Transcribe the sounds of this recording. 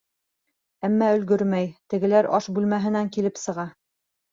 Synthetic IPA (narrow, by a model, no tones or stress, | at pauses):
æmːæɵ̆lɡɵɾmæjt̪ɘ̆ɡɘ̆læɾʔɒʃbʉlmæɦɘ̆næŋkilɘpsɤ̆ʁɑ